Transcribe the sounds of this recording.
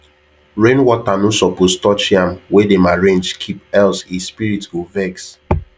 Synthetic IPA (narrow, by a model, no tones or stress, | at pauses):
ɹẽnwɔtanusɔpostɔt͡ʃiãmwedemaɹẽnd͡ʒkʰipɛlsispiɹituvɛks